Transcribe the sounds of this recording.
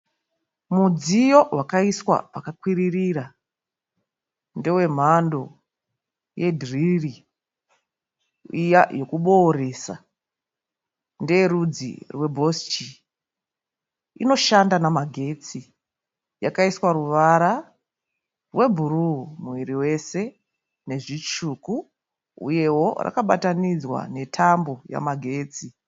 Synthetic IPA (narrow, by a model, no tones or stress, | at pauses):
mud͡zijo̞wʔakaiswa̰pakakwiririɾa | nde̞we̞m̤ando̞ | je̞dʱriri | ijajo̞kuɓo̞ɾe̞sa̰ | ndeɾud͡zḭrwe̞bʱo̞st͡ʃi | ḭno̞ʃandanamaɡʱe̞t͡si | jakaiswaruʋaɾa | rwe̞bʱurumuwiɾiwe̞se̞ | ne̞ʐit͡ʃuːku | ṵje̞ɦo̞ra̰kaɓatanid͡zwa̰ne̞tʰambo̞ja̰maɡʱe̞ːt͡si